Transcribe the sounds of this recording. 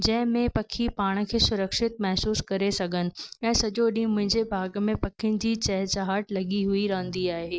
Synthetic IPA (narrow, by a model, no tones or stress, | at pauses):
d͡ʑɐ̃ɦɪ̃mẽpɐkʰipaːɽ̃̆kʰeːsʊɾəkʃɪt̪̚mɐɦsuːskɐɾesɐɡʱənɪ̆ɛ̃ːsɐʄoɗĩːmʊ̃ɦɪ̃ɲd͡ʑebʱaːɡmẽpɐkʰiɪʊñɪ̆d͡ʑiːt͡ɕɐɦt͡ɕaɦaʈlɐɠiɦuiɾɐɦə̃nd̪iaːɦeː